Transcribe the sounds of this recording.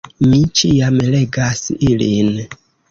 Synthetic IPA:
mit͡ʃijamle̞ɡasilin

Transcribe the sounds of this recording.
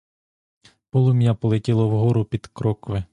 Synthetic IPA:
pɔlˠʊmʲjapɔlˠetʲɪlˠɔwɦɔɾʊpʲid̪̥kɾɔkʋɪ

